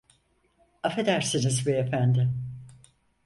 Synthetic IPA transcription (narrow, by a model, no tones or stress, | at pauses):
afed̪æɾsinizbiefænd̪ɪ